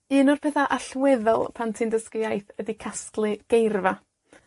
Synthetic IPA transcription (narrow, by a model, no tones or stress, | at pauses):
ɨːnʊrpʰɛθaʔaɬwɛðɔlˠpʰantʰindəskjajθədikʰasklˠɨɡ̥ejrva